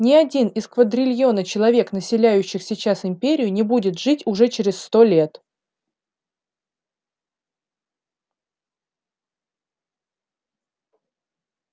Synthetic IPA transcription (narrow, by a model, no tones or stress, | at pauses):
nʲɪɐdʲinɪskvəd̪ɾʲɪlʲjo̞nət͡ɕɪlˠɐvʲe̞knəsʲɪlʲæjʉɕːɪxsʲɪt͡ɕasɪmʲpʲeɾʲɪjʊnʲɪbudʲɪt̪ʐɨtʲʊʐɛt͡ɕɪɾʲɪsst̪o̞lʲe̞t̪